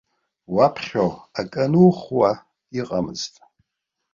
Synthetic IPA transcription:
wapʰχʲoakʼanuχwa | iqʼamɨztʼ

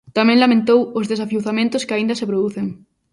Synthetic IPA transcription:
t̪amɛ̃ŋlamẽnt̪owʊzðesafjuwθamẽnt̪ʊskɪaĩnd̪ɐsɪpɾoðuθeŋ

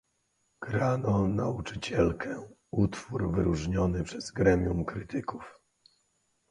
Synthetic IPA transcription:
ɡ̥ɾanɔnaut͡ʂɘ̥t͡ɕɛlkʰɛ | ut̪fuɾvɘɾuʐɲɔnɘpʂɛzɡɾɛmʲjumkɾɘt̪ɘkuf

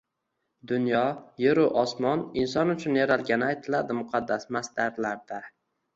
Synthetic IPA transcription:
d̪ʊnjɒjeɾʊʔɒsmɒnɪnsɒnʊt͡ʃʰʊnjaɾalɡʲanɪajt̪ʰɪlad̪ɪmʊqʰɑd̪ːasmasd̪aɾlaɾd̪a

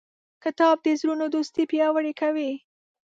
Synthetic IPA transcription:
kət̪ɑb̚d̪əzɾunod̪ust̪ipjɑwəɽekawi

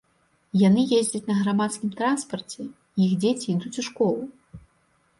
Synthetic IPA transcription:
janɨjezʲd͡zʲɐt͡sʲnɐɣɾamat̪skʲimt̪ɾanspɐrt͡sʲɛ | jixd͡zʲet͡sʲiid̪ut͡sʲuʂkɔlˠu

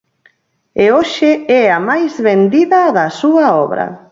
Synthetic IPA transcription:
eoʃɪɛamajzβend̪iðɐðɐsuɐɔβɾɐ̰

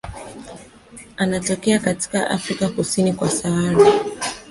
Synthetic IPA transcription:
anatɔkɛakati̥kaʔa̰fɾikakusinikwasaaɾa

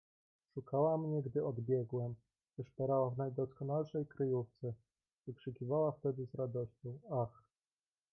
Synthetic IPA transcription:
ʂukawamɲɛɡd̪ɘɔd̪bʲjɛɡwɛm | vɘʂpɛɾawavnajd̪ɔskɔnalʂɛjkɾɘjuft̪sɛ | vɘkʂɘkʲivawaft̪ɛd̪ɘzɾad̪ɔɕt͡ɕɔ̃w̃ax

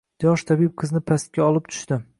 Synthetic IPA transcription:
d̪̥jɒʃt̪ʰabib̚qʰɨznɪpʰast̪̚kʲaɒlˠɪp̚t̪ʰʊ̥ʃt̪ɪ

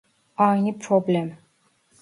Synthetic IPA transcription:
ɑjnipʰɾoblɛm

